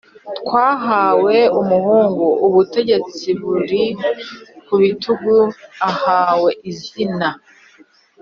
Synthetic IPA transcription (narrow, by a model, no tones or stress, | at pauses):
tkwaːɦaːwe̞umuhuːŋɡouβute̞ɟe̞t͡siβuɾi | kuβitʰuɡuahaːwe̞ʔizina